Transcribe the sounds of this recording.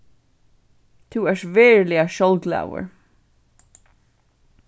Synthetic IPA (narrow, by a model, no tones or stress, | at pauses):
t̪ʰuːɛʂvɛːɹlɪaʃɔlɡla̰ːwə̰ɹ